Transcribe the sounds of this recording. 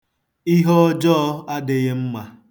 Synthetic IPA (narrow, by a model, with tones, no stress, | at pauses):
i˦ɦɔ˦ɔ˦d͡ʒɔ˦a˦dɪ˨ɣɪ˦m̩˦ma˨